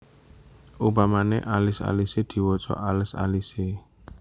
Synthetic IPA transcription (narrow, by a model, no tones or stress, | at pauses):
ʔubamaneʔalɪsa̰lised̪̥i̤wot͡ʃɔ̰ʔalɪsa̰lise